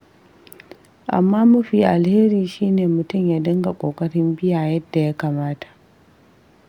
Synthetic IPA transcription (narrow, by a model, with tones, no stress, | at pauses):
ʔa̰˨mːaː˦mʊ˦ɸiː˨ʔa˨lheː˦ɾiː˨ʃiː˦neː˨mʊ˨tʊ˦˨mjaː˦dɐ˦ŋɡa˨kʷʼoː˨kʼɐ˦ɽɪ˦mbɪ˦jaː˨jɐ˦dːa˨ja˦kaː˨maː˦tḁ˨ʔ